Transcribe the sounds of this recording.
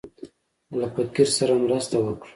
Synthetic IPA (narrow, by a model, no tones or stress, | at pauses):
lapat̪̚kiɾsaɾamɾast̪awəkɽu̥